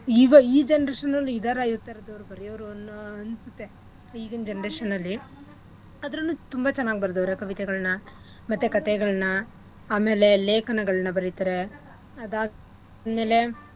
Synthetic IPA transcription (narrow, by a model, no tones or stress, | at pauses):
iːʋɐiːd͡ʒenɐɾeːʂɐnːɐlːiiːd̪aːɾaːjut̪ːajɾɐd̪ɐʋɐɾubɐɾijɐʋɾunɐnsut̪ːe̞ | iːɡɐnd͡ʒenɐɾeːʂɐnːɐlːi | ɐd̪ɐɾɐnːuːt̪umbɐt͡ʃɐnːaːɡibɐɾd̪ɐʋɾekɐʋit̪ɛɡɐɭɐnɐ | mɐt̪ːekɐt̪ɛɡɐɭɐnɐ | aːme̞ːle̞leːkɐnɐɡɐɭɐnɐbɐɾit̪ɐɾe̞ | ɐd̪a | d̪me̞ːle̞